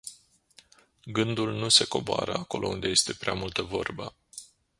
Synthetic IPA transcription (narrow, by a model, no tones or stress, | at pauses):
ɡɨnd̪ulnuse̞ko̞boa̰ɾəako̞lʔo̞̰und̪e̞je̞st̪e̞pɾeamult̪əvo̞rbə